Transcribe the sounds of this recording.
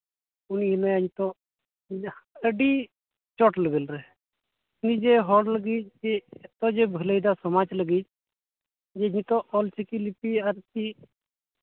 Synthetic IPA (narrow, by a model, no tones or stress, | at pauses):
uniɦinajəɲt̪ɔ | əɖi | t͡ʃɔʈləɡəlɾɛ | nid͡ʒɛɦɔɽləɡid͡ʒd͡ʒɛɛt̪ɔd͡ʒɛbʱələjd̪asɔmad͡ʒləɡid͡ʒ | d͡ʒɛɲit̪ɔʔɔlt͡ʃikilipiaɾk̪i